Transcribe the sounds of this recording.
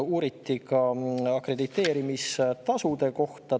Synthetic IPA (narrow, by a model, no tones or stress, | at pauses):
uːɾit̪ːikɑɑkre̞d̪it̪ːˑe̞ːɾimist̪ɑsud̪e̞ko̞ht̪ɑ